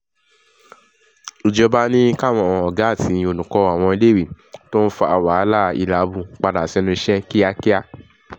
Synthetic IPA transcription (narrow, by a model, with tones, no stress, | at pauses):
o˧d͡ʒɔ˧ba˦nĩ˦ka˦˨w̃ɔ̃˧˨˧ɔ˨ɡa˨˦˨tĩ˨˧˦o˧nũ˨kɔ˧˦a˨w̃ɔ̃˧i˧le˦˨wi˨ | to˦n̩˦fa˧a˧˨wa˨˦la˦˨ḭ˧˨la˨˦bũ˧k͡pa˧da˨sɛ˧˦nũ˧i˧ʃɛ˦ki˦a˧ki˦a˧